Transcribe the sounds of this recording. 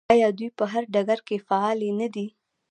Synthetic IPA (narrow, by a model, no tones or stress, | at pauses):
ɑjɑd̪ujpəɦaɾɖaɡaɾkefaɑlenad̪i